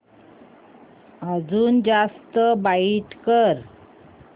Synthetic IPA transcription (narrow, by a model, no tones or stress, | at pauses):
əd͡zuːnd͡zast̪əbaiʈkəɾ